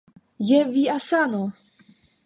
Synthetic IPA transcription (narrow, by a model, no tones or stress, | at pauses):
jɛviasano